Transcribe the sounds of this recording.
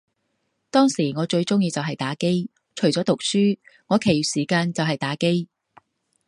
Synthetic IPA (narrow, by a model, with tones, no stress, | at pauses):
t̪ɔː˥ŋsiː˨˩ŋɔː˨˧t͡ʃɵ˧ɥt͡sʊ˥ŋjiː˧t͡sɐ˨wɦɐ˨jt̪aː˨˥ke˥j | t͡ʃʰɵ˨˩t͡sɔː˨˥t̪ʊ˨k̚syː˥ŋɔː˨˧˥kʰe˨˩jy˨siː˨˩kaː˧nt͡sɐ˨wɦɐ˨jt̪aː˨˥ke˥j